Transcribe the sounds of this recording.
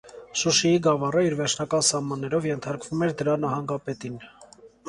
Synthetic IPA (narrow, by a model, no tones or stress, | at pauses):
ʃuʃijiɡɑvɑrəiɾvɛɾt͡ʃʰnɑkɑnsɑhmɑnːɛɾɔvjɛnt̪ʰɑɾkv̥umɛɾd̪əɾɑnɑhɑŋɡɑpɛt̪in